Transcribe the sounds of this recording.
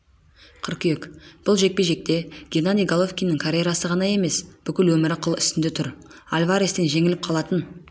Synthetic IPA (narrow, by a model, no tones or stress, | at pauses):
qʰəɾkʲʏjekb̥ʊlˠʒe̞k̚pe̞ʒe̞k̚t̪e̞ɡʲenad̪ʲijɡalˠofsʲkʲijnɪŋkʰaɾʲejɾɑsəʁɑnɑje̞me̞sb̥ʏkʲɪlwɵmɪɾaqʰːəlˠʏ̰st̪ɪnd̪et̪ʰʊɾalʲvaɾest̪enʒe̞ŋɪlɪp̚qʰɑlˠɑt̪ən